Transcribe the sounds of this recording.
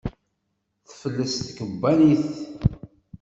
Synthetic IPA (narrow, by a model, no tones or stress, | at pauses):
θfəlːəst̪kəbːæniθ